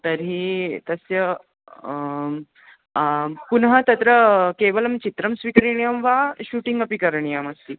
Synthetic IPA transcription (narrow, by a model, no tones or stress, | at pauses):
t̪əɾɦit̪əsjə | kunɦət̪ɐt̪ɾəkeʋələmt͡ɕit̪ɾəmsʋikəɾɳijəmʋaɕuːʈiŋɡəpikəɾɳijaməst̪iː